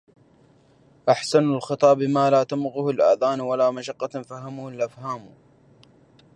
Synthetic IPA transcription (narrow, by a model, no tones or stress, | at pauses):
ʔaħsanalxɨt̪ˤɑːbɪmaːlaːt̪amɣʊhalʔaːðaːnwalaːmaʃɑqːɑfaɦamʊhalʔafhaːm